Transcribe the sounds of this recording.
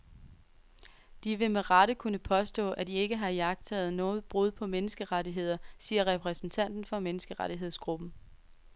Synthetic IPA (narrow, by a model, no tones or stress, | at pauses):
d̥iʋe̝meʁɑɾ̥əkʰunəpʰɒ̽sd̥ɔ̰̽ːʔæd̥ie̝ɡ̥əɦɑ̈jɑɡ̥̚t͡sʰɛ̰ːð̩ˠnɔ̽ːð̩ˠb̥ʁuð̞ˠpʰɒ̽menəsɡ̥əʁɑɾiɦe̝ð̞̰ˠɐsiːɐʁɛpʰʁɛsn̩t͡sʰæn̰d̥n̩fɒ̽menəsɡ̥əʁɑɾiɦeð̰ˠsɡ̥ʁub̥n̩